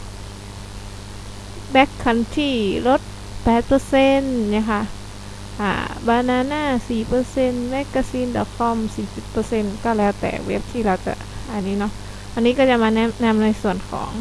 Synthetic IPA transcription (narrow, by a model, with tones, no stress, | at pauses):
bɛ˦˥kʰːa˧˥˩nt̪ʰiː˧˩lo˧˦˥t̪̚ | pɛː˨˩t̪̚pɤː˧se˧˥nɲa˧˩kʰa˧˩ | ʔa̰ː˧˩baː˧naː˧˨naː˧˥˨siː˨˩pɤː˧se˧˨nme˦˥kːaː˧siː˧˥˨ndɔ̰˧˩t̪̚kʰɔ˧˥˨msiː˨˩si˨˧˩t̪̚pɤː˧se˧˥˨nkɔː˧˩lɛː˦˥˩wt̪ɛ̰ː˨˩wḛ˦˥p̚t̪ʰiː˧˩laː˧˩wt̪a̰˧˩ʔa˧˩nːiː˦˥˨nɔ˧˥ʔ | ʔa˧nːiː˦˥kɔː˧˥˩t͡ɕa˨˧˨maː˧nɛ˧˥na˧˥˨mna˧jsu˨˩ənkʰɔ̰ː˩˦ŋ